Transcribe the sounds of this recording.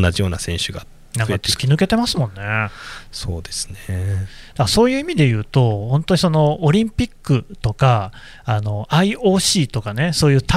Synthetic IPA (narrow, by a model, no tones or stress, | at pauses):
nːaʑijo̞ːnasẽ̞ɕɨɡa | nãŋkat͡sɨ̥kʲinɯ̟ke̞t̪e̞masɨmõ̞nːe̞so̞ːd̪e̞sɨ̥ned̪̥aso̞ːjɯ̟ːimʲid̪e̞jɯ̟ːt̪o̞hõ̞nt̪o̞ɲ̟iso̞no̞ːɾʲĩmpʲikːɯ̟t̪o̞ka | ano̞ʔaio̞ːɕiːt̪o̞kane̞so̞ːjɯ̟ːt̪a